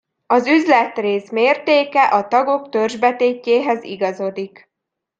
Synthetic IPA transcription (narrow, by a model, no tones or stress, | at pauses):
ɒzyzlɛt̪reːsmeːrt̪eːkɛʔɒt̪ɒɡo̞kt̪ørʒbɛt̪eːcːeːɦɛzḭɡɒzo̞d̪ik